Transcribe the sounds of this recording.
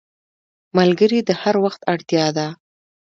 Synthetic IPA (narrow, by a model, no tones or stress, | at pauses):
malɡəɾid̪əhaɾwaxt̪aɽt̪jɑd̪a